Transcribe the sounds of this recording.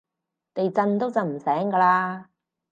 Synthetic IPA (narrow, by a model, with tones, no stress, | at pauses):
t̪e˨jt͡sɐ˧nt̪o˥wt͡sɐ˨wm̩˨˩sɛː˨˥ŋkaː˧laː˧